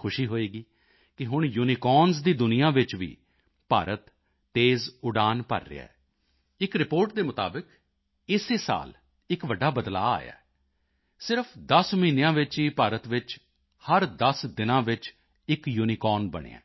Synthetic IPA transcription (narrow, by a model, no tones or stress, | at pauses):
kʰʊʃiːɦoːeːɡiː | kɪɦʊɳ̃juːniːkɔːnzd̪iːd̪ʊnɪjãːʋɪt͡ʃʋḭː | pa̰ːɾʔət̪ː | eːzʊɖaːnpə̰ɾːḛːa̰ɛ | ɪkɾɪpoːɾʈ̚d̪eːmʊt̪a̰ːbɪk | ɪseːsa̰ːl | ɪkʋəɖːaːbəd̪la̰ːa̰ːja̰ | sɪɾəpʰd̪əsmiːnejãːʋɪt͡ʃiːpaːɾət̪ʋɪt͡ʃ | həɾd̪əsd̪ɪnãːʋɪt͡ʃ | ɪkjuːniːkɔːnbə̰ɽ̃ḛːã̰ː